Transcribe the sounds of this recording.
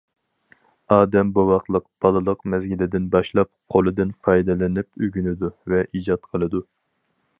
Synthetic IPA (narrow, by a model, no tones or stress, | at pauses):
ɑːd̪ɛmbowɑqlˠəq̚b̥ɑlˠɨlˠəqmɛzɡʲilɪd̪ɪnbɑʃlˠɑp̚qʰolˠɨd̪ɨnpʰɑjd̪ɨlɪnɪp̚yɡʲynɪd̪uvɛʔid͡ʒɑt̪̚qʰəlˠɨd̪u